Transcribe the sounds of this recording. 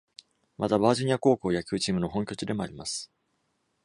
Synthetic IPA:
mʔat̪abaːʑoɲ̟iako̞ːko̞ːjakʲɨ̟ːt͡ɕiːmɯ̟no̞ɦõ̞ŋkʲo̞t͡ɕɨd̪e̞mo̞a̰ɾʲimasɨ̥

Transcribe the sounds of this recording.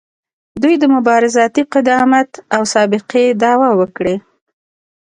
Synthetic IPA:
d̪ujd̪əmʊbɑɾɪzɑt̪iqɪd̪ɑmat̪awsɑbɪqed̪ɑwawəkɽe

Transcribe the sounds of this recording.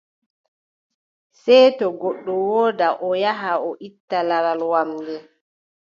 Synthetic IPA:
sɛjtɔɡɔɗːɔwɔːdaʔɔjaɦaɔʔitːalaɾalwamdɛ

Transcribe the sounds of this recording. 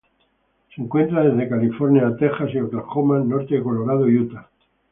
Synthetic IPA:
seŋkwe̞nt̪ɾaðe̞zðe̞kalifo̞ɾnjaːt̪e̞χasiokaχomano̞ɾt̪eko̞lo̞ɾað̞oiut̪a

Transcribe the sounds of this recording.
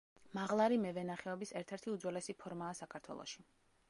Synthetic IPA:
maʁlˠaɾimɛvɛnaχɛɔbisɛɾt̪ʰɛɾt̪ʰiud̪zwɛlɛsipʰɔɾmaːsakʰaɾt̪ʰwɛ̰lˠɔ̰ʃi̥

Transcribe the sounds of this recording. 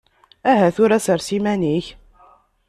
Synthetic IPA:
æɦæθʊɾæsəɾsimæniç

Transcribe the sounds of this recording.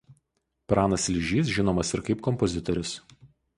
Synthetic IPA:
pɾɑːnɐslʲɪʒʲiːs̬ʒʲɪnoːmɐsɪɾkɐɪpkɔmpɔzʲɪt̪ɔɾʲʊs

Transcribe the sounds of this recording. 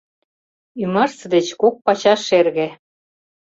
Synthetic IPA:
ymərsə̆d̪et͡ɕkok̚pɑt͡ɕɑʃerɣĕ

